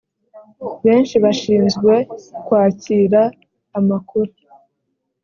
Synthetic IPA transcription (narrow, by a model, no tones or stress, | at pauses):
βe̞ːnʃiβaʃiːnzɡwe̞kwaːciːɾaː | makʰuɾe